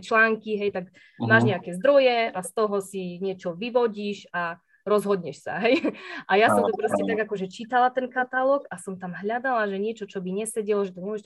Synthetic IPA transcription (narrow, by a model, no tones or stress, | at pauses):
t͡ʃlaːŋkiɦɛjt̪aɡ | maːʒɲɛakɛzd̪ɾɔjɛast̪ɔɦɔsiɲɪɛt͡ʃɔʋiʋɔɟiːʃa | ɾɔzɦɔd̪ɲɛʃsa̰ɦɛjʔajasɔmt̪upɾɔscɛt̪aɡakɔʒɛt͡ʃit̪alat̪ɛnkat̪alɔɡasɔmt̪amɦʎad̪alaʒɛɲɪɛt͡ʃɔt͡ʃɔbiɲɛsɛɟɛlɔʒɛt̪ɔmɔʒɛ